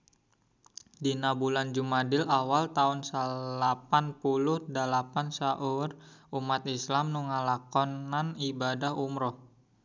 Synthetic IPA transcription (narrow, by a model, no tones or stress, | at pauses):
dinabuland͡ʒumadɪlawalt̪aunsalapanpulʊhdalapansaʔʊrumat̪̚islamnuŋalakɔnanibadahumɾɔh